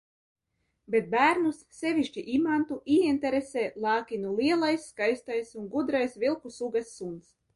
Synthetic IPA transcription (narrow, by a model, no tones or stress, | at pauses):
bet̪̚bæːɾnusːɛvʲiʃt͡ʃiʔimant̪uiint̪ɛɾesɛːlˠɑːkʲinulˠiɛlˠajsːkajst̪ajsunɡud̪ɾajsvilˠkusuɡasːunt̪s